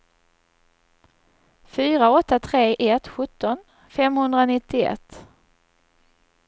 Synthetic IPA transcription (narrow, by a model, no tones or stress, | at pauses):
fyːɾaɔt̪ːat̪ʰɾeːʔɛt̪ɧɵt̪ːɔn | fɛmhɵnd̪ɾanɪt̪ːɪɛ̰t̪ː